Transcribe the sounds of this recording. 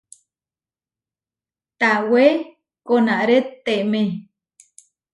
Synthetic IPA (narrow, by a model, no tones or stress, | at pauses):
t̪awe | konaʔɾet̪ːeʔmẽ